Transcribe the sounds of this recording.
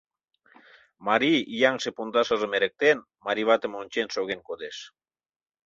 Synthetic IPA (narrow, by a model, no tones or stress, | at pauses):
maɾiijaŋsepund̪asazəmeɾek̚t̪en | maɾiβat̪emonʲt͡ʃensoɣeŋkod̪es